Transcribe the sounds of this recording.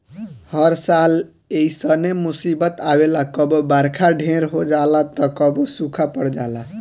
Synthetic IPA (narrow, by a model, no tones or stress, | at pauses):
həɾsal | eisənemusibət̪awelakəbbaɾkʰaɖʱẽɾɦod͡ʒalat̪əkəbosukʰapəɽd͡ʒala